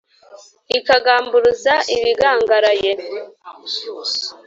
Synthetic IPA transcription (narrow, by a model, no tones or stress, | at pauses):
ikaɡaːmbuɾuzaʔiβiɡaːŋɡaɾaje